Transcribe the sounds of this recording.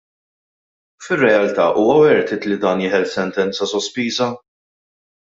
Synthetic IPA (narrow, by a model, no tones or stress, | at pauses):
fɪrːɛɐlt̪ɐ̰ːʔuːwɐwɛɾt̪ɪt̪lid̪ɐːnjɪːħɛlsɛnt̪ɛnt͡sɐsɔspiːzɐ